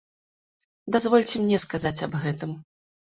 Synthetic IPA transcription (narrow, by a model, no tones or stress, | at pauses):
d̪azvɔlʲt͡sʲɛmnʲɛskazat͡sʲɐbɣɛt̪ɨm